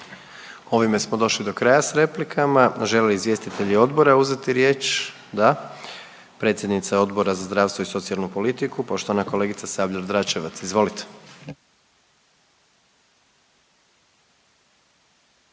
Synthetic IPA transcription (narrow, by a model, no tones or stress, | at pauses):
o̞ʋime̞smo̞d̪o̞ʃlid̪o̞kɾajasɾe̞plikʰamaʒeleliizʋje̞st̪it̪e̞ʎio̞d̪bo̞ɾauze̞t̪iɾje̞ːt͡ʃ | d̪a | pɾet̪sʲje̞d̪nit̪sao̞d̪bo̞ɾazazd̪ɾaʋst̪ʋoiso̞t̪sialnupo̞lit̪ikupo̞ʃt̪oʋanako̞le̞ɡit̪sasabʎaɾd̪ɾat͡ʃeʋat̪sizʋo̞lit̪e̥